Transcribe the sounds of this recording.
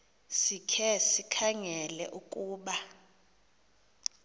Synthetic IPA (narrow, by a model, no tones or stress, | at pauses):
sikʰɛsikʰaŋɛlɛ̰ʔuk̬ʼuːɓa